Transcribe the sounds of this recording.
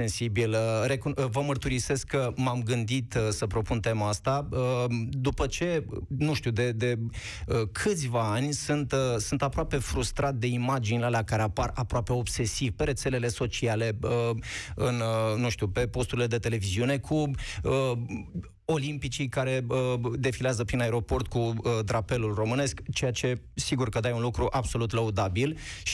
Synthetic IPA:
sensibilre̞kuvəmərt̪uɾise̞skːəmamɡɨnd̪it̪səpɾo̞punt̪e̞mast̪aəd̪upət͡ʃe̞nũʃt̪ud̪e̞d̪e̞ | əkʰɨt̪sʲvaanʲsɨnt̪sɨnt̪apɾoape̞fɾust̪ɾat̪̚d̪e̞imad͡ʒinʲlelakaɾeaparapɾoape̞o̞bse̞sivpe̞ɾe̞t̪se̞le̞le̞so̞t͡ʃiale̞əɨnnũʃt̪ʲupe̞po̞st̪uɾile̞d̪e̞t̪e̞le̞viziune̞kʰuə | o̞limpit͡ʃikaɾe̞əd̪e̞fileazəpɾinae̞ɾo̞po̞rt̪̚kuəd̪ɾape̞lulro̞mɨne̞skt͡ʃejat͡ʃe̞ | siɡurkəd̪ajunlukɾuʔabso̞lut̪ləud̪abilʃi

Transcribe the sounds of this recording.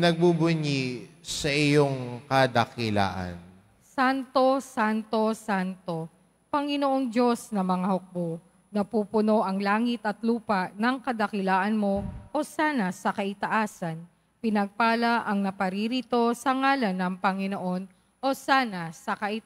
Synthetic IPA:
nɐɡ̚bubʊɲisɐʔɪjoŋkɐd̪ɐkɪla̰ːʔɐ̰n | sant̪o̞sant̪o̞sant̪o̞ | pɐŋɪnoʔoŋd͡ʒo̞snɐmɐŋahok̚bo | nɐpuːpʊno̞ʔɐŋlaːŋɪt̪ɐt̪luːpɐʔnɐŋkɐd̪ɐkɪlaːʔɐnmo̞ʔo̞saːnɐsɐkɐʔɪt̪ɐʔaːsɐn | pɪnɐɡ̚paːlaʔɐŋnɐpɐɾiɾit̪o̞sɐŋaːlɐnɐŋpɐŋɪno̞ʔo̞n | ʔo̞saːnɐsɐkɐʔɪ

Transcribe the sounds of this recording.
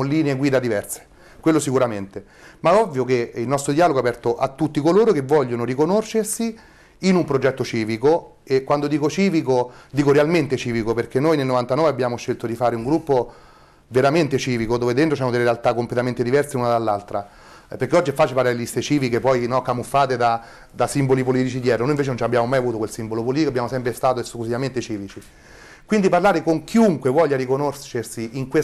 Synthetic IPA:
liːneeɡwiːd̪ad̪ivɛrse̥ | kwelːosikuɾament̪e | maɔvːjokeilnɔst̪ɾod̪iaːloɡoapɛrt̪oʔa̰t̪ːut̪ːikoloːɾokevːɔʎːonoɾikonoʃersi | inumpɾod͡ʒɛt̪ːot͡ʃiːviko | ekːwand̪od̪iːkot͡ʃiːvikod̪iːkoɾealment̪et͡ʃiːvikoperk̟enːojnelnovant̪anɔːveabːjaːmoʃːelt̪od̪ifaːɾeuŋɡɾupːo | veɾament̪et͡ʃiːvikod̪oːved̪ent̪ɾosanod̪eleɾealt̪akːomplet̪ament̪ed̪ivɛrseunad̪alːalt̪ɾa | peɾkeɔd͡ʒːiɛfːaːt͡ʃefaːɾeelist̪et͡ʃiːvikepɔjnɔkːamufːaːt̪ed̪a | d̪asimbolipoliːt̪it͡ʃid̪jɛːɾonoːjiɱveːt͡ʃenont͡ʃabjaːmomajavuːt̪okwelsimbolopoliːt̪ikoabːjaːmosɛmpɾest̪aːt̪oesklusivament̪et͡ʃiːvit͡ʃi | kwind̪iparlaːɾekoŋk̟ʰiuŋkwevɔʎːaɾikonoʃːersiiŋkwe

